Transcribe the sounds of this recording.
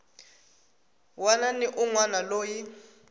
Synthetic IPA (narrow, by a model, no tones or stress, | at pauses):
wananiʔuŋwanaloːji